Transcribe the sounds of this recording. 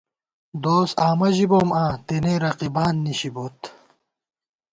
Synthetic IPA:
d̪oːsaːmɐʑiboːmãːt̪eneːɾɐqibaːnːiɕibot̪

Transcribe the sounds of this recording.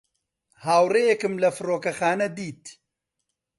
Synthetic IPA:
haːwrejɛkɨmlɐfɨroːkɐxaːnɐd̪iːt̪

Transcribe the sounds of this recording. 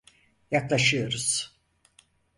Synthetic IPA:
jaklˠaʃɯjo̞ɾuz̥

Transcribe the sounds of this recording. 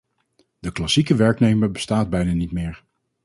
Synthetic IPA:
d̥əklasikəʋɛɹknejməɹbəstaːd̚bɛjnaːnitmɪːɹ

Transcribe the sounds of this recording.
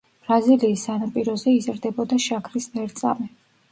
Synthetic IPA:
b̥ɾaziliːsːanapʼiɾɔzɛizɾd̪ɛbɔd̪aʃakʰɾismɛɾt̪sʼa̰mɛ

